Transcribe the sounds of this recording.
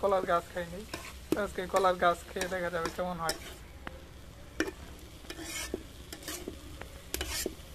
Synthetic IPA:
kɔlaɾɡaskʰajnej | əskekɔlaɾɡaskʰeed̪ɛkʰad͡ʑabekɛmonɦɔj

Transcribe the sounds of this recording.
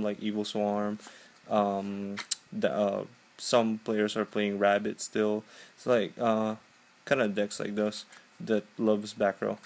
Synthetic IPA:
mlaɪkivl̩ˠswɑɹm | ʔʌ̃mðʌ̰ | sʌ̃mpʰl̥eɪə˞zə˞pʰl̥eɪɪ̃ŋɹæbɨtstɪlˠslaɪkʌ | kʰãɪ̃ndɨdɛksla̰ɪk̚ðoʊz̥ | ðɨt̚lʌvzbækɹo̰ʊ

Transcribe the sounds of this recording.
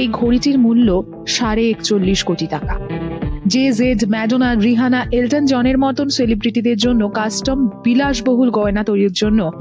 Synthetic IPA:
ejɡʱoɽiʈiɾmulːo | ʃaɾeekt͡ɕolːiʃkoʈiʈaka̰d͡ʑezeɖmɛɖonaɾiɦanaʔelʈand͡ʑɔneɾmɔt̪onselibɾiʈid̪eɾd͡ʑonːokasʈomb̥ilaʃboɦulɡɔenat̪oɾiɾd͡ʑonːo

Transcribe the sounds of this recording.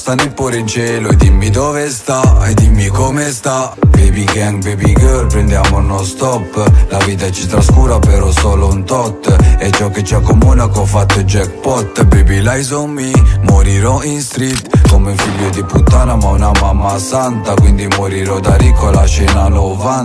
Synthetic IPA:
st̪anːipɔɾeint͡ʃɛːlʊɛd̪imːid̪ɔːvest̪aed̪imːikɔmest̪abebiɡaŋbebiɡølpɾɛnd̪jaːmonɔst̪ɔpːlaviːt̪at͡ʃit̪ɾaskuːɾapɛɾɔsɔlount̪ɔt̪ːɛt͡ʃːɔkːet͡ʃːiakːomuːnakɔfːat̪ːʊd͡ʒɛk̚pɔt̪ːbebilajzɔmːimoɾiɾɔinst̪ɾit̪komeuɱfiʎːod̪iput̪ːanamaunamamːasant̪akwind̪imoɾiɾɔd̪aɾikʰːoalat͡ʃɛːnalɔva

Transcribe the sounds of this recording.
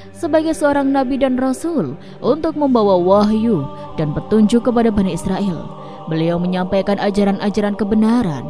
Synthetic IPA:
səbaɡajsəoɾaŋnabidanrasʊl | ʔunt̪ʊk̚məmbawawaɦju | danpət̪uɲd͡ʒʊkːəp̬adabanaisɾaʔɪl | bəliawməɲampajkanʔad͡ʒaɾanʔad͡ʒaɾankəbənaɾa̰n

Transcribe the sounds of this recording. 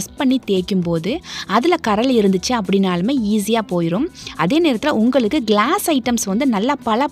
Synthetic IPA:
spɐɳːit̪eːɾkːɯmpoːðɯɐðɪlɐkɐɾɐlɪɾɯnd̪ɯt͡ʃːɯɐp̬ːɐɽɪnaːlɯmeːiːs̬ɪjaːpoːjɪɾɯmɐðeːneːɾɐt̪ːɪlɛʊŋɡɐɭɯkːɯɡɭaːsɐɪʈːɐmsʋɐnd̪ɯnɐlːapɐɭɐ

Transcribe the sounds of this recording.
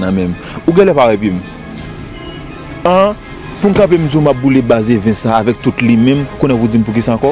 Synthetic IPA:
nãmɛ̃m | uɡɛ̃lɛ̃paɣɛpim | ã | pun̩kãp̬em̩d͡zumap̚bulebazevɛ̃saːvɛk̚t̪utlimɛ̃mukõnɛ̃pud͡zim̩p̬uk̬isaãkɔ

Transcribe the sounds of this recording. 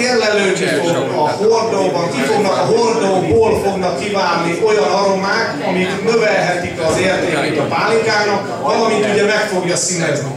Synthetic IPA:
rːɛløːvit̪o | ɒhord̪oːbɒŋkifo̞ɡnɒkɒɦord̪oboːlfo̞ɡnɒkːivaːnːiʔo̞jɒnɒɾo̞maːk̪ | ɒmik̪nø̞vɛlɦɛt̪ikɒzeːrt̪eːkeːt̪ɒpaːlikaːnɒk | vɒlɒmit̪uɟɛmɛkfo̞ɡjɒsinɛzni

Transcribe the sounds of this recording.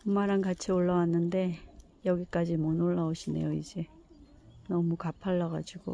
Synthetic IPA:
umaɾankat͡ɕʰioɭːawanːɯnde̞ | jʌɡik͈ad͡ʑimʌnoɭːaoɕʰine̞̰joid͡ʑe̞ | nʌmukapʰaɭːʌɣad͡ʑiɡ̥o̰

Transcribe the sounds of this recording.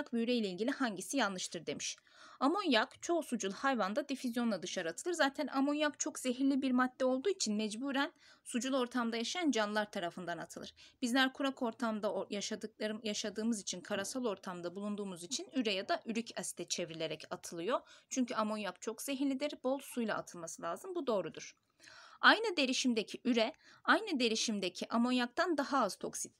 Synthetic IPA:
kbiyɾejlʲɛilʲɟʲilʲihaɲɟisijanˠːɯʃt̪ʰɯɾd̪e̞miʃ | amo̞njakt͡ʃʰo̞sud͡ʒulˠhajvand̪ad̪ifizjo̞nlˠad̪ɯʃaɾɯat̪ʰɯlˠɯɾzaːt̪ʰænʔamonjakt͡ʃʰo̞kz̥eɦiɾlʲibiɾmad̪̥̚ːɛo̞lˠd̪uːit͡ʃʰinmɛd͡ʒbuːɾænsud͡ʒulˠo̞ɾt̪ʰamd̪ajaʃajand͡ʒanlˠaɾt̪ʰaɾafɯnd̪anat̪ʰɯlˠɯɾ̥b̥izlʲæɾkʰuɾakʰo̞ɾt̪ʰamd̪ajaʃad̪ɯkjaʃad̪ɯːmɯzit͡ʃʰinkʰaɾasalˠo̞ɾt̪ʰamd̪abulˠund̪uːmuzit͡ʃʰinyɾɛjad̪aʔyɾycʰast̪ʰɛt͡ʃʰɛvɾilʲe̞ɾɛcat̪ʰɯlˠɯjo̞t͡ʃʰyɲcʰyamo̞njakt͡ʃʰo̞kz̥eɦilʲid̪iɾbo̞lˠsujlˠa̰ʔa̰t̪ʰɯlˠmasɯlʲaːzɯmbud̪o̞ːɾud̪uɾ̥ | ajnɯd̪e̞ɾiʃimd̪ecʰiʔyɾɛajnɯd̪e̞ɾiʃimd̪ecʰiʔamo̞njak̚t̪and̪aɦaaz̥t̪ʰo̞̰ksit̪

